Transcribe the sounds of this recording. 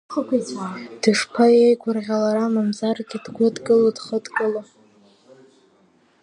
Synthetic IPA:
χəkʷʰit͡sʰad̥ɨʂpʰajejɡʷʊrʁʲalaɾamamzarɡʲidɡʷʊdɡʼɨlodχədkʼɨla

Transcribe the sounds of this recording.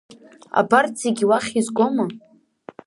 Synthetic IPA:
a̰bart͡sʰiɡʲiwaχʲizɡʷoma

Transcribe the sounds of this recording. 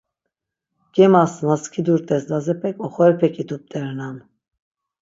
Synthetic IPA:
ɡ̥ɛmasnaskʰid̪uɾt̪ʰʼɛsd̪azɛpʰɛkʼɔχɔɛɾɛpʰɛkʼid̪up̚t̪ʰʼɛɾnam

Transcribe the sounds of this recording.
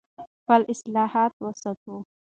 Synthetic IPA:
pəlʔɪslɑhɑt̪wəsak̪u

